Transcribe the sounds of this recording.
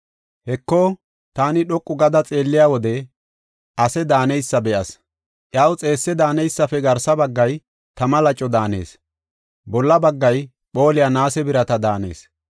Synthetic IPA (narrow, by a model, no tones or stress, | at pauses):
hɛkːo | t̪aːnɪɗɔkʼːʊɡɐd̪ɐt͡sʼe̞ːlːɪjaːwɔd̪ɛ | ʔɐsɛd̪aːnɛjsːɐbɛʔɐs | ʔjaːwt͡sʼe̞ːsːɛd̪aːnɛjsːɐfɛɡɐɾsɐbɐɡːɐj | t̪ɐmɐlɐt͡ʃʼːɔd̪aːne̞̰ːs | bɔlːɐbɐɡːɐj | ɓo̞ːlɪjanaːsɛbɪɾɐt̪ɐd̪aːne̞̰ːs